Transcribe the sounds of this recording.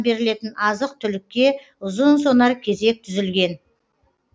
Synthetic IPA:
be̞ɾɪle̞t̪ɪnɑzəq̚t̪ʰʏlɪkʲːe̞ | ʊzənso̞nɑɾkʲʰe̞ze̞k̚t̪ʰʏzɪlɡʲe̞n

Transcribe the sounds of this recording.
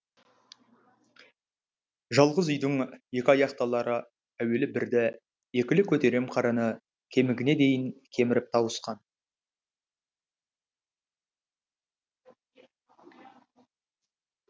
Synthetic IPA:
ʒɑlˠʁəzʏjd̪ɪŋje̞kʲɪɑjɑqt̪ɑlˠɑɾə | æwe̞lɪbɪɾd̪ɪ | je̞kʲɪlɪkʲʰɵt̪e̞ɾe̞mqʰɑɾənə | kʲʰe̞mɪɡʲɪne̞d̪e̞jɪŋkʲʰe̞mɪɾɪp̚t̪ʰɑwəsqɑn

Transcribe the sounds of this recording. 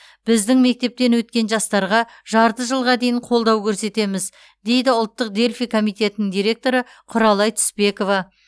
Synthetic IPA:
b̥ɪzd̪ɪŋme̞k̚t̪e̞p̚t̪e̞nwɵt̪̚kʲe̞nʒɑst̪ɑɾʁɑ | ʒɑɾt̪əʒəlˠʁɑd̪e̞jɪɴqʰo̞lˠd̪ɑwkʲʰɵɾse̞t̪e̞mɪz | d̪e̞jd̪ɪʊlˠt̪ːəqd̪e̞lʲfijkʰo̞mijt̪e̞t̪ɪnɪŋd̪iɾʲe̞k̚t̪o̞ɾə | qʰʊɾɑlˠɑjt̪ʰʏ̥spe̞ko̞vɑ

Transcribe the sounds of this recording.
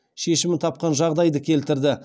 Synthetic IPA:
ʃe̞ʃɪmɪt̪ʰɑp̚qɑnʒɑʁd̪ɑjd̪əkʲʰe̞lt̪ɪɾd̪ɪ

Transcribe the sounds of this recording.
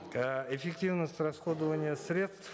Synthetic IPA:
əefʲektʲivnəsʲtʲrasχod̪əvənʲɪjəsʲɾʲe̞t̪st̪f

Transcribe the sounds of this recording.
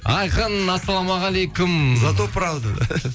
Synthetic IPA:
ɑjqənɑsːɑlˠɑmɑʁɑlejkʊmzat̪opːəɾɑlˠd̪ə̰

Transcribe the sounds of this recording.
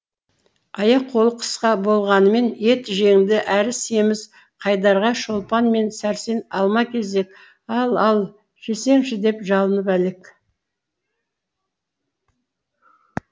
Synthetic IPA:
ɑjɑqʰːo̞lˠəqʰə̥sqɑbo̞lˠʁɑnəme̞ne̞t̪ʒe̞ŋd̪ɪʔæɾɪse̞mɪz̥ | qʰɑjd̪ɑɾʁɑʃo̞lˠpɑnme̞nsæɾse̞nɑlˠmɑkʲʰe̞ze̞k | ɑlˠɑlˠ | ʒ̥ese̞ŋʃɪd̪e̞pʒɑlˠənəpæle̞k

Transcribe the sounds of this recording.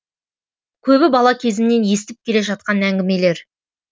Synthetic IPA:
kʲʰɵbɪbɑlˠɑkʲʰe̞zɪnne̞nje̞st̪ɪp̚kʲʰe̞le̞ʒɑt̪̚qɑnæŋɡʲɪme̞le̞ɾ

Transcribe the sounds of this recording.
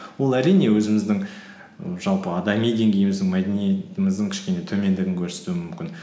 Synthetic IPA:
wo̞lˠæɾijne̞wɵzɪmɪzd̪ɪŋ | ʒ̥ɑlˠpəɑd̪ɑmijd̪e̞ŋɡʲʰe̞jɪmɪzd̪ɪŋmɑd̪enije̞t̪ɪmɪzd̪ɪŋkʲʰɪ̥ʃkʲe̞ne̞t̪ʰɵme̞nd̪ɪɡʲɪŋkʲʰɵɾse̞̥t̪uɪmʏmkʲɪn

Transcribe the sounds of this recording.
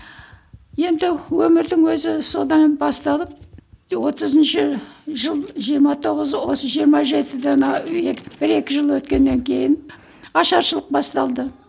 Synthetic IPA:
je̞nd̪ɪwɵmɪɾd̪ɪŋwɵzɪso̞d̪ɑnbɑst̪ɑləp̚wo̞t̪əzənʃɪʒəlˠʒijəɾmɑt̪ʰo̞ʁəzwo̞səʒijəɾmɑʒe̞t̪ɪd̪enɑeb̥ɪɾe̞kʲɪʒəlˠwɵt̪̚kʲe̞nːe̞ŋkʲʰe̞jɪn | ɑʃɑɾʃəlˠəq̚bɑst̪ɑlˠd̪ə

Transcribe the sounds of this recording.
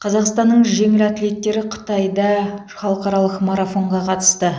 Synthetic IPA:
qʰɑzɑqst̪ɑnːəɴʒe̞ŋɪlæt̪ɪle̞t̪ːe̞ɾɪqʰə̥t̪ɑjd̪ɑ | χɑlˠəqɑɾɑlˠəqmaɾafo̞ɴʁɑqʰɑt̪ə̥st̪ə

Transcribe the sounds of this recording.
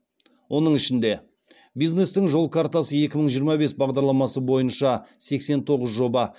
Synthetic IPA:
wʔo̞nəɴɪʃɪnd̪e̞ | bijzne̞st̪ɪŋʒo̞lˠkʰaɾt̪asəje̞kʲɪməɴʒijəɾmɑbe̞sbɑʁd̪ɑɾlˠɑmɑsəbo̞jənʃɑse̞kse̞nt̪ʰo̞ʁəzʒo̞bɑ

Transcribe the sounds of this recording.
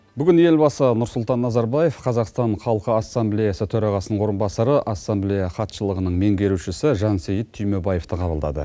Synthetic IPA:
bʏɡʲɪnje̞lbɑsənʊɾsʊlˠt̪ɑnːɑzɑɾbɑje̞fqʰɑzɑqst̪ɑɴχɑlˠqəɑsːɑmblʲejɑsət̪ʰɵɾɑʁɑsənəɴwo̞ɾənbɑsɑɾəʔɑsːamblʲejɑχɑt̪ʃəlˠəʁənəɴme̞ŋɡʲe̞ɾuʃɪsɪʒɑnsejət̪ʰːʏjmebɑjeft̪əqʰɑbəlˠd̪ɑ̰d̪ə̰

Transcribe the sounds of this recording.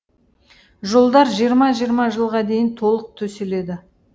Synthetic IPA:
ʒolˠd̪ɑɾʒijəɾmɑʒijəɾmɑʒəlˠʁɑd̪e̞jɪnt̪ʰo̞lˠəq̚t̪ʰɵsele̞d̪ɪ

